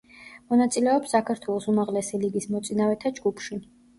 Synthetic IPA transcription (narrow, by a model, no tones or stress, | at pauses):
mɔnat̪sʼilɛɔpsːakʰaɾt̪ʰwɛlˠɔsumaʁlɛsiliɡismɔt̪sʼinavɛt̪ʰad͡ʒɡupʰʃi